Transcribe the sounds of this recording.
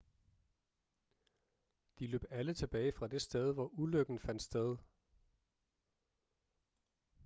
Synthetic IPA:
d̥ilø̰ːb̥ælət͡sʰe̝b̥ɛːɪfʁɑ̈d̥e̝sd̥eð̞ˠʋɒʔuløɡ̥n̩fæn̰d̥sd̥eð̞ˠ

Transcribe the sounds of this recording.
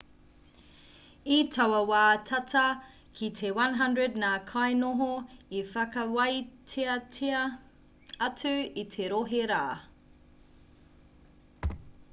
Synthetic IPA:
itʰɐwɐwaːtʰɐtʰɐ | kʰitʰewɐnɦɐndɹədnakʰajnoɦoifɐkɐwɐjtʰeɐeɐ | ɐt͡sʉitʰeɾoɦeɾaː

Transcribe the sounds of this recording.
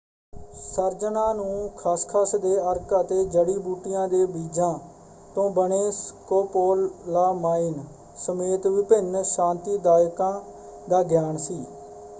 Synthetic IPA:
səɾd͡ʒənãːnũːkʰaːskʰaːsd̪eːəɾkət̪eːd͡ʒəɽiːbuːʈɪjãːd̪eːbiːd͡ʒãː | t̪õːbəneːskoːpoːlːaːmaːiːn | səmeːt̪ʋɪpɪnʃãːnt̪iːd̪aːjkãː | d̪aːɡjaːnsiː

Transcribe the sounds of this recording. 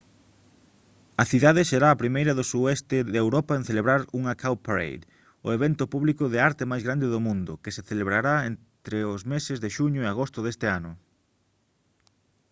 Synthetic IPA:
ɐθiðaðɪseɾaːpɾimejɾɐðʊsuðɛst̪ɪðewɾɔpaẽn̟θeleβɾaɾuŋakʰawpaɾḛjð | ʊ̰eβɛnt̪ʊpuβlikʊðɪaɾt̪emajzɣɾand̪eðʊmũnd̪ʊkeseθeleβɾaɾaen | t̪ɾeʊzmesezðeʃuɲʊeaɣ̞ost̪ʊðest̪eanʊ

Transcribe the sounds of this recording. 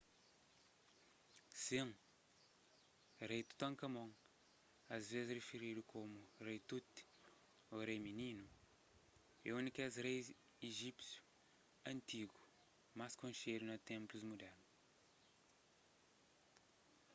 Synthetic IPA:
sĩŋ | rejt̪u̥t̪ɐ̃ŋkɐmõŋ | ɐzvezɪzrefiɾid̪ukʰomurejt̪ut̪i̥ | orejmininu | ɛũnikɛzɾejz | iʒipsju̥ | ɐ̃nt̪iɡu̥ | maskõnʃied̪unɐt̪ẽmpluzmud̪ɛɾnu

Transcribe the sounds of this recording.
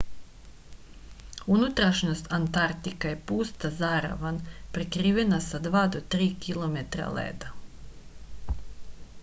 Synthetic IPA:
unut̪ɾaʃnost̪ant̪aɾt̪ikajepuːst̪azaɾa̰ʋanpɾekɾiːʋenasad̪ʋaːd̪ot̪ɾiːkʰilˠomet̪ɾa̰lḛːd̪a

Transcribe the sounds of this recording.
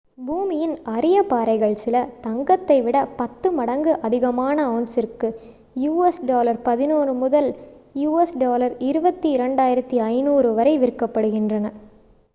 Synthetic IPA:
buːmɪjɪnɐɾɪjɐpaːɾɐɪɣɐɭsɪlɐt̪ɐŋɡɐt̪ːɐɪʋɪɽɐpɐt̪ːɯmɐɽɐŋɡɯʔɐðɪɣɐmaːnɐoːnsɪrkɯ | juːɛsɖoːlɐɾpɐðɪnuːɾɯmʊðɐljuːɛsɖoːlɐɾɪɾɯbɐt̪ːiɪɾɐɳɖaːjɪɾɐt̪ːiɐɪnuːɾɯʋɐɾɐɪʋɪɾɯkːɐpːɐɽɯɣɪndrɐnɐ

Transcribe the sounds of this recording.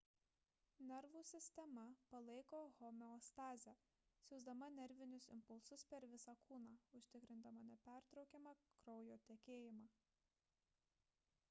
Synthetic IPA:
nʲɛɾʋuːsʲɪsʲt̪ʲɛmɐpɐlˠɐɪkoːɣɔmʲɛɔst̪ɑːzʲæː | sʲʊzd̪ɐmɐnʲɛɾʲʋʲɪnʲʊsɪ̰mpʊlˠsʊspʲɛɾʋʲɪsɑːkuːnɑːʊʃʲt̪ʲɪkɾʲɪnd̪ɐmɐnʲɛpʲæˑɾt̪ɾɒʊkʲɛmɑkɾɒʊjoːt̪ʲekʲeːjɪmɑː

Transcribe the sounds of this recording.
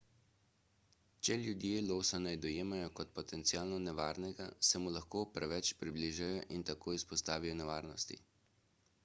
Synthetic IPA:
t͡ʃɛljud̪jeːloːwsanajd̪ɔjeːmajɔkɔt̪pɔt̪ɛnt̪sijaːlnɔnɛʋaːɾnɛɡasɛmulaxkoːpɾɛʋɛt͡ʃpɾibliːʒajɔʔint̪akoːjispɔst̪aːʋijɔnɛʋaːɾnɔst̪ḭ

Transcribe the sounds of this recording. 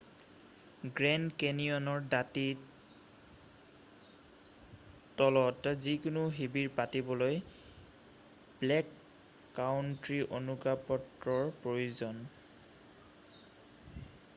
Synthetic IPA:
ɡɹɛnkenijɔnɔɹdati | tɔlɔtzikʊnʊɦibiɹpatibɔloj | blɛkː | aʊntɹiʔonuɡɹapɔtɹɔɹpɹojuzɔn

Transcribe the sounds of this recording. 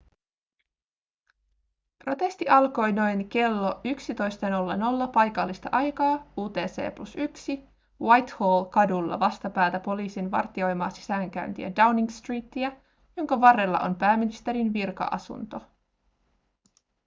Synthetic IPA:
pro̞t̪e̞st̪iʔɑlko̞jno̞jnke̞lːo̞yksit̪o̞jst̪eno̞lːeno̞lːɑpɑjkɑlːist̪ɑʔɑjkɑːuːt̪e̞ːse̞̰ːplusyksi | wɑjt̪hoːlkɑdulːɑ̰ʋɑst̪ɑpæːt̪æpo̞liːsinʋɑ̰rt̪io̞jmɑːsi̥sæːŋk̟æynt̪ḭæ̰dɑwniŋst̪riːt̪ːiæ | joŋkɑʋɑrːelːɑ̰ʔo̞̰npæːminist̪e̞ɾinʋirkɑ̰ʔɑ̰sṵnt̪o̞

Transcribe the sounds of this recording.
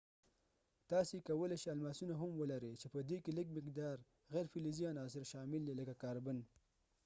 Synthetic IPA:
t̪ɑsekawəleʃealmɑsunaɦamwəlaɾət͡ʃepəd̪ekeləɡ̚mɪqd̪ɑɾ | ɣɛjɾfɪlizijɑnɑs̬ɪɾʃɑmɪld̪eləkakɑɾban

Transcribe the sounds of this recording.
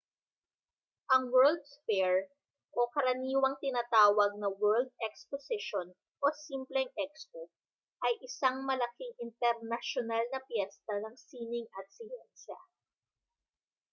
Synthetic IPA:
ʔɐŋwɛld̪̚sfɛɹ | ʔokɐɾɐniːwɐŋt̪ɪnaːt̪aːwɐɡ̚nɐwɛɹld̪̚ɛksposɪʃon | ʔosimplɛŋʔɛkskuk̚ | ʔɐjʔɪsaŋmɐlɐkiŋɪnt̪ɛɾnɐʃonalnɐpjɛst̪ɐnɐŋsiːnɪŋʔɐt̪̚sɪjɛnsɐ̰

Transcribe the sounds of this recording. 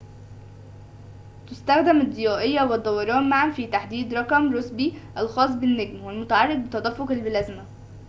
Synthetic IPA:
t̪ʊst̪æxd̪æmɪd̪ˤːejɑːʔejːæwed̪ˤːɑwɑɾˤɑːnmaʕamfiːt̪aħd̪iːd̪ɾˤɑqɑmɾosbiʔælxɑːs̬ˤbɪnːeɡmwelmʊt̪aʕɑrˤːɑɡ̚bɪt̪ɑd̪ˤæfːoqɪlbɪlæzmæ

